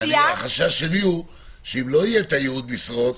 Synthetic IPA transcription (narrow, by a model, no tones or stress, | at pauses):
aχaʃaʃemiu | ʃeimloijet̪ajeud̪̚misʁot